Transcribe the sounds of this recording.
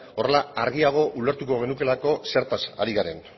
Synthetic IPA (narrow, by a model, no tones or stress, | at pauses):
o̞re̞laaɾɣiaɣ̞o̞ʔule̞ɾt̪uko̞ɣ̞e̞nuke̞lako̞se̞ɾt̪asa̰ɾiɣaɾe̞n